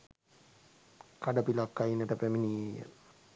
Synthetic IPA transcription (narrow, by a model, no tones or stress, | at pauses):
kaɖəpilakːainəʈəpæminijə̰